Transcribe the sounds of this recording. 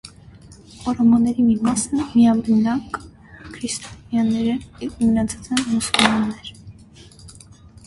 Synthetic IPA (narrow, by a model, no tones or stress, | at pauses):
ɔɾɔmɔnːɛɾimimɑsəmiɑmɾənɑk | kʰɾist̪ʰɔnjɑnɛɾəɛvmənɑt͡sʰɑ̥t͡sɛnmusulmunːɛɾ